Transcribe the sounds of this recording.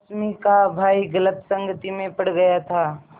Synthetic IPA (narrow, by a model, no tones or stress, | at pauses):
smikabʱaːiɡələt̪sə̃ŋɡət̪imẽpəɽ̤ɡɐjat̪ʰaː